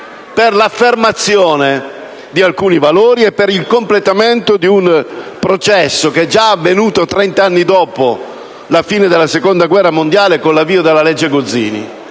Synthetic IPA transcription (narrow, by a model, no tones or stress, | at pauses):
perlafːermat̪sːjoːne | d̪ialkuːnivaloːɾiepːeɾilkomplet̪ament̪od̪iunpɾot͡ʃɛsːok̟ed͡ʒaavːenuːt̪ot̪ɾɛnt̪aanːid̪ɔːpo | lafiːned̪elasekond̪aɡwɛrːamond̪jaːlekonlavːiːod̪elːalɛd͡ʒːeɡod̪zḭːnḭ